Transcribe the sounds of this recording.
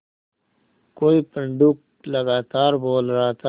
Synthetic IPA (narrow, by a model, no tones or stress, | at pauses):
koːipɐɳɖuk̚ | lɐɡaːt̪aːɾboːlɾaɦat̪ʰa